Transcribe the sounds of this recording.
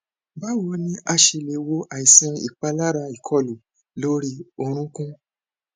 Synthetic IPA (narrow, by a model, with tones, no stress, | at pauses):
ba˦wɔ˧˦nĩ˦a˧ʃe˧le˨wo˧ʔa˨i˨sĩ˧˦ḭ˨k͡pa˧la˦ɾa˧i˨kʰɔ˧˨lu˨ | lo˦ɾi˦o˧ɾ̃ũ˦kũ˦